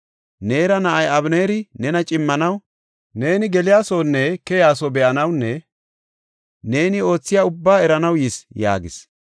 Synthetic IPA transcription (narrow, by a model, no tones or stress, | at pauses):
ne̞ːɾɐnɐʔɐjɐβne̞ːɾɪnɛnɐt͡ʃʼɪmːɐnɐw | ne̞ːnɪɡɛlɪjaːsownːɛkɛjaːsobɛʔɐnɐwnːɛ | ne̞ːnɪo̞ːt͡sːɪjaːʊbːaːɛɾɐnɐwjɪsja̰ːɡɪs